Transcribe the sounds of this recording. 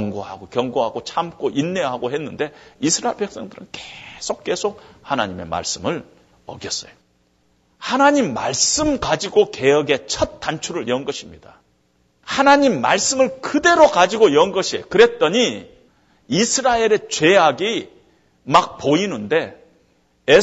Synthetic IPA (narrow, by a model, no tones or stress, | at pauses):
ʌŋɡoɦa̰ɡokjʌŋɡoɦaɡot͡ɕʰamk͈oʔinːe̞ɦaɡoɦe̞nːɯnde̞isʰɯɾaeɭpe̞k̚s͈ʌŋdɯɾɯnke̥sʰok̚k͈e̞sʰok̚hana̰ɲime̞̰ma̰ɭs͈ɯmɯɭ | ʌ̰ɡjʌs͈ʌjo̥ | hanaɲimːa̰ɭs͈ɯmkad͡ʑiɡoke̞jʌɡe̞t͡ɕʰʌt̚t͈ant͡ɕʰuɾɯɭiʌnɡʌɕʰimɲid̥a | hanaɲimːa̰ɭs͈ɯmɯɭkɯde̞ɾokad͡ʑiɡoiʌnɡʌɕʰie̞jokɯɾe̞t̚t͈ʌɲi | isʰɯɾaeɾe̞t͡ɕwe̞jaɡi | mak̚poinɯnde̞ | e